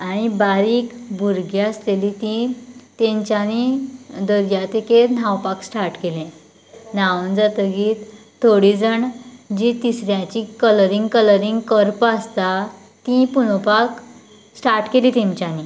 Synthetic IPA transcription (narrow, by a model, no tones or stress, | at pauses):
aɽ̃ibaɾiːkbʱuɾɡaəslelit̪ĩt̪ẽɲt͡ɕjanid̪əɾjat̪ekenawpaksʈaɾʈkelẽ | naʋənd͡zat̪əɡiːt̪ʰː | oɽid͡zəɳd͡ʑĩt̪isɾjãt͡ɕikələɾiŋɡkələɾiŋɡkəɾpast̪a | t̪ĩpuñopak | sʈaɾʈkeliːt̪ẽɲt͡ɕjani